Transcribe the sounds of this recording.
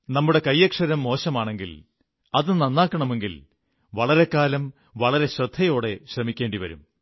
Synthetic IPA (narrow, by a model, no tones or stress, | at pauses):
nɐmːuɽe̞kɐjːɐkʂɐɾɐmːo̞ːɕɐmaːɳe̞ŋɡil | ɐðɨnɐnːaːkːɐɳɐme̞ŋɡil | ʋɐɭɐɾe̞kːaːlɐm | ʋɐɭɐɾe̞ɕrɐd̪ʱːɐjo̞ːɽe̞ɕrɐmikʲːe̞ːɳɖiʋɐ̰ɾṵm